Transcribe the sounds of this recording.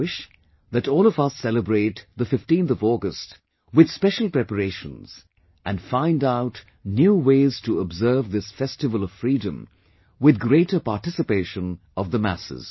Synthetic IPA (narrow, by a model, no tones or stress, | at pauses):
wɪʃ | ðɨɾɔːlˠʌvʌsɛləbɹeɪt̪ðəfɪftĩnθʌvɔɡəst | wɨð̥spɛʃəl̩ˠpɹ̥ɛpəɾeɪʃə̰̃nz̥ | ʔɨ̃nfãɪ̃ndaʊt | njuweɪz̥tʰəəbzɜ˞vðɪsfɛstɨvəlˠʌv̥fɹiːdə̃m | wɨðɡɾeɪɾə˞patɪsɨpeɪʃə̃n | ʔʌvðəmæ̰sɪ̰z̥